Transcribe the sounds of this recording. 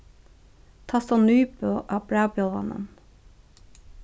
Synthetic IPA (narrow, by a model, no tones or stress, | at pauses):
t̪ʰɑsɑnyːpøːʔɑːbɽæːbloːʋɑ̰nə̰n